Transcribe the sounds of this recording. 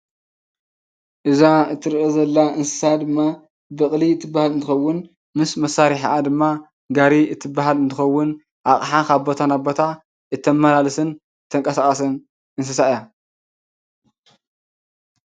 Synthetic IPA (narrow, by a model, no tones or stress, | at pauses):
ʔɨzaɨt̪ʰːɨɾʔezɐlːaʔɨnsɨ̥sad̪ɨmːa | bɐχʼliɨt̪ʰːɨbːahalɨnt̪ʰɨxɐwːʊn | mɨsmɐsːaɾiħʔad̪ɨmːa | ɡaɾiɨt̪ʰɨbːaɦalɨnt̪ʰɨxɐwːʊn | ʔaχʼħakʰaβbo̞t̪ʰanabo̞t̪ʰa | ʔɨt̪ʰːɐmːɐlalɨsɨn | t̪ʰɐŋkʼɐsaχʼɐsɨn | ɨns̬ɨsaɨja